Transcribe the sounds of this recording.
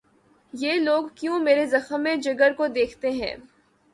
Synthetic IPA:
jeːloːɡkjũːmeːɾezɐxmẽd͡ʒɐɡəɾkod̪eːkʰt̪eɦɛ̰̃ː

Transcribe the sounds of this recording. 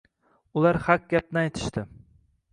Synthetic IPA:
ʊlaɾhak̚ʲɡʲap̚nɪajt̪ʰɪ̥ʃt̪ɪ

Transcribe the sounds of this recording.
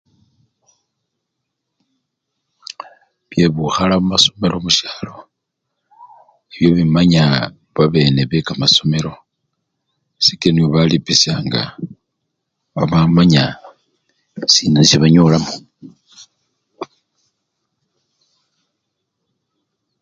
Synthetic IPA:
βje̞βuxalaβumaso̞me̞lo̞muʃjaːlo̞ | eβjo̞βimaɲa | βaβe̞ːne̞βekamaso̞me̞ɾo̞ | sikenioβalipisjaŋɡa̰ | βaβamaɲa | siːnenisiβaɲoːlamo

